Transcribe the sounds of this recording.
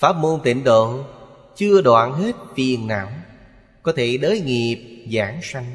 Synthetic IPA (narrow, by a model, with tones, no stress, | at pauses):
faː˦˥p̚mo˧nt̪ḭ˧˩ŋ̟ɗo̰˧˨ | t͡ɕɨ˧əɗwa̰ː˧˨nɦe˦˥t̚fi˨˩ənna̰ː˧˩˥w | kɔ˨˦t̪ʰe˧˩ɗəː˨˦jŋi˨˩əp̚zaː˧˩˦ŋsa˧jŋ̟